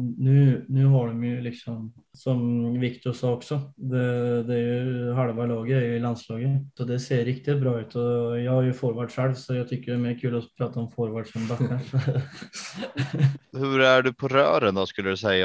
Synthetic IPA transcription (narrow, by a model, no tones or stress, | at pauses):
nʉːnʉːɦɑɖɔmjʊlɪksɔm | sɔmʋɪkt̪ɔsɑɔksɔd̪ɛd̪ɛæɾjʊɦɑɽʋɑlɑːɡəæɾjʊɪlɑnslɑːɡəsɔd̪ɛseːɾːɪkt̪ɪt̪̚bɾɑːʉ̟ːt̪ʰɔjɑhɑɾjʊfoːɾʋɑːɖʂɛɽsɔjæɡt̪ʰʏkːəɖɛæɾmeːɾkʰʉːlɔpʰɾɑːt̪aɔmfoːɾʋɑːɖʂɔnbɑkʰːə | hʉɾæɖʉpʰɔɾœːɾənd̪ɑskʉlːəd̪ʉsæɪə